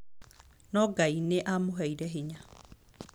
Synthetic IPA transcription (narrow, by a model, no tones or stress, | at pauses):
nɔɡaineʔamoɦɛiɾɛɦeɲa